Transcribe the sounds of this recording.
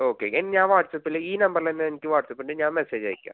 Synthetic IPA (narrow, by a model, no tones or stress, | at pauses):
oːkḛenːɲãːʋaːʈsɐpːɪlːeiːnɐmbɐɾlɐnːɐnɪkːɯʋaːʈsɐpːɪɳɖɨɲãːmɛseːd͡ʒɐ̰ːɪkʲːa̰ː